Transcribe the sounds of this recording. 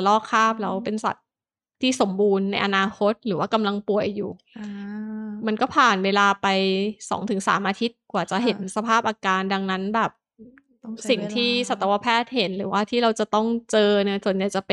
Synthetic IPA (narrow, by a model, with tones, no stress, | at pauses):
lɔː˥˩kʰːaː˥˩p̚lɛ˦˧˥wpe˧nsa̰˨˩t̪̚ʰː | iː˥˩so˩˦mbuː˧nːa˧jʔa˧naː˧kʰo˦˥t̪̚ɾɯː˩˦waː˥˩ka˧mla˧ŋpu˨˩əjːuː˨˩ | ma˧nkɔː˥˩pʰaː˨˩nweː˧laː˧pa˧jsɔ̰ː˩˦ŋt̪ʰɯ˨˩˦ŋsa̰ː˩˦mʔaː˧t̪ʰi˦˥t̪̚kwaː˨˩t͡ɕa˨˩ɦe˩˦nsa˧pʰaː˥˩p̚ʔaː˧kaː˧nda˧ŋna˦˥nbɛː˨˩p̚ | si˨˩ŋt̪ʰiː˥˩sa˨˩t̪ːa˧wa˧pʰɛː˥˩t̪̚he˩˦nɾɯː˩˦waː˥˩t̪ʰiː˥˩ɾa˧wt͡ɕa˨˩t̪ɔ˥˩ŋt͡ɕɤː˧na˦˥˩su˨˩ənja˨˩jt͡ɕa˨˩p